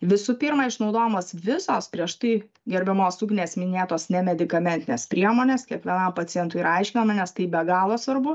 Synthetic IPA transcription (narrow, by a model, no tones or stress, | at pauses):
ʋʲɪsʊpʲiɾmɐɪʃnɒʊd̪oːjɛmoːsʋʲɪsoːspʲɾʲiɛʃt̪ɐɪ | ɡʲɛɾʲbʲɛmoːsukʲnʲeːsmʲɪnʲeːt̪oːsnʲɛmʲɛd̪ʲɪkɐmʲɛnʲt̪ʲɪnʲeːspʲɾʲiɛmoːnʲeːskʲiɛkʋʲiɛnɐmpɐt͡ssʲɪjɛnt̪ʊiɾɐɐɪʃʲkʲɪnɐmɐnʲɛst̪ɐɪbʲɛɡɑːlˠoːsʋɐrbʊ